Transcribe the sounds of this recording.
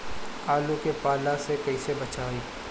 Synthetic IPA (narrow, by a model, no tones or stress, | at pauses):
aːlukepaːlasekɐisebɐt͡ʃaːiː